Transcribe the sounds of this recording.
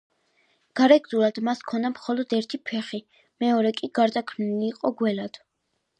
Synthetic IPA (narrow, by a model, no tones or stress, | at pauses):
ɡ̥aɾɛɡzulad̪̥maskʰɔnd̪amχɔlɔd̪ɛɾt̪ʰipʰɛχi | mɛɔɾɛkʼiɡ̥aɾd̪akʰniliːqʼɔɡwɛlad̪̥